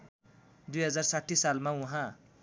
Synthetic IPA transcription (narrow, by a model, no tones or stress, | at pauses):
d̪ujɦʌd͡zarsaʈʰːisalmaũɦã